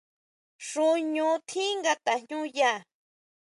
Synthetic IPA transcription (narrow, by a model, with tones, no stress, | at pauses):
ʂũ˧ɲũ˧˦t̪ʰĩ˦ŋɡa˧t̪a˨ɲɲũ˦ja˦˨